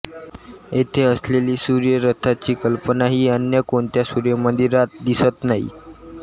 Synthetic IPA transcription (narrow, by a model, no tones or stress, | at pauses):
et̪ʰeəsleliːsuɾjəɾət̪ʰat͡ɕiːkəlpənaɦiːənjəkoɳt̪jasuɾjəmənd̪iɾat̪̚d̪isət̪naɦḭ